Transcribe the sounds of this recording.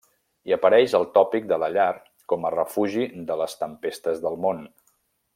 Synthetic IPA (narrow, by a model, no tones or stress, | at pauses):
iəpəɾɛʃəlˠt̪ɔpik̚d̪ələʎar | kɔmərəfuʒiðələst̪əmpest̪əzðəlˠmon